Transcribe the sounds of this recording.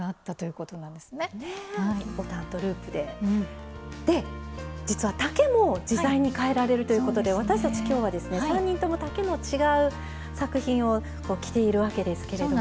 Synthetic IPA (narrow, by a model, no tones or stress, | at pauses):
aːt̪ːat̪o̞jɯ̟ko̞t̪o̞nãnd̪e̞sɨne̞aot̪ãnt̪o̞ɾɯ̟ːpɯ̟d̪e̞ | d̪̥e̞d͡ʑit͡sɨβat̪ake̞mo̞d͡ʑizaiɲ̟ikae̞ɾaɾe̞ɾɯ̟t̪o̞jɯ̟ko̞t̪o̞d̪e̞β̞at̪aɕi̥t̪at͡ɕi̥kʲo̞ːβ̞ad̪e̞sɨne̞sãɲ̟ːĩnt̪o̞mo̞t̪ake̞mo̞t͡ɕiɡaɯ̟ | sakɯ̟çĩɰ̃o̞ | ko̞ːkʲi̥t̪e̞iɾɯ̟βake̞d̪e̞sɨ̥ke̞ɾeo